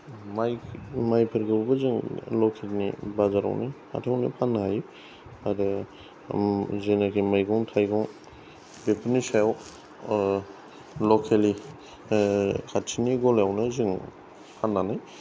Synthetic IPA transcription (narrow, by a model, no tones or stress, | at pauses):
majmajpʰɯɾɡɯbubɯzɯŋlɔkʰelnḭbazaɾa̰wnɯha̰tʰiawnḭpʰanːahaj | adɯ | zenakʰimajɡɔŋtʰajɡɔŋ | bepʰɯɾnisajaw | lɔkʰeli | kʰatt͡ʃʰiniɡɔljawnɯzɯŋ | pʰanːanaj